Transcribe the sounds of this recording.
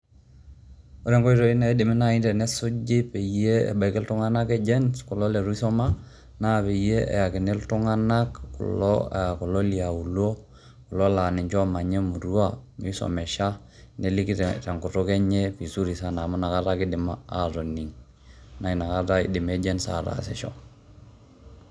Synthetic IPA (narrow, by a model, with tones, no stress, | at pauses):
o˦ɾɛ˦ŋkɔ˦i˦ɾo˨i˦na˨i˦dɪ˨mi˦na˦intɛ˨nɛ˦su˦d͡ʒi˦pe˨je˦ḛ˨ba˨ikɛ˦ltu˦ŋa˦na˦kɛ˦d͡ʒɛ˦nskɔ˨lɔ˦lɛ˨ɾu˦i˦sɔ˦ma˦ | na˦pe˨je˦ḛ˨ja˨ki˨ne˦ltu˦ŋa˦na˦kːṵ˨lɔ̰aku˨lo˦li˨a˨u˨lo˦ | ku˨lola˨ni˨ɲt͡ʃo˦ma˨ɲe˦mu˨ɾu˦amiso̰mɛ˨ʃa˦ | neli˦kitɛ˨ŋku˨to˦ke˦ɲefi˨su˦ɾi˨sa˦namu˦na˨ka˦taki˦dimaaɾoni˨ŋ | na˨ina˨kataḭdi˨me˦d͡ʒɛ˦nsa̰ɾa̰sɛ̰˨ʃo̰